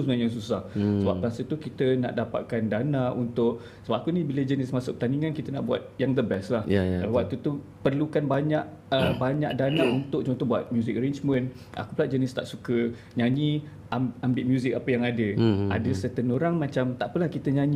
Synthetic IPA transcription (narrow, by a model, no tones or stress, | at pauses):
usmaɲjaŋsusahsəba̰p̚ɾasət̪ukit̪əna̰ʔdapa̰t̪̚kandanaʔunt̪ʊʔ̚ | səbapakunibiləd͡ʒənɪsmasʊk̚ːət̪aniŋankit̪əna̰ʔbua̰t̪̚jaŋd̪əbɛstlahalawak̚t̪ut̪u | pərlukanbaɲaʔ | əbaɲa̰ʔdanaunt̪ʊk̚t͡ʃɔŋt̪ɔbua̰t̪̚mjuzɪkəɾend͡ʒmə̃n | ʔa̰kuplaʔ̚d͡ʒənɪst̪a̰ʔsukə | ɲãɲi | amambɪʔmjuzɪk̚apəjaŋadəa̰dəsət̪ənoɾaŋmãt͡ʃamt̪aʔpəlahkit̪əɲaɲi